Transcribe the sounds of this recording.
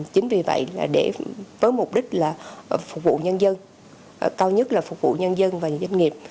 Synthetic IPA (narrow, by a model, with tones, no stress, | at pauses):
t͡ɕï˨˦ŋ̟vi˨˩və̰˧˨jlaː˨˩ɗe˧˩vəː˨˦jmʊ˨˩k͡p̚ɗï˦˥k̟̚laː˨˩fʊ˨˩k͡p̚vṵ˧˨ɲə˧nzə˧n˨ | kaː˧wɲə˦˥t̚laː˨˩fʊ˨˩k͡p̚vṵ˧˨ɲə˧nzə˧nvaː˨˩zwa˧jŋŋi˨˩əp̚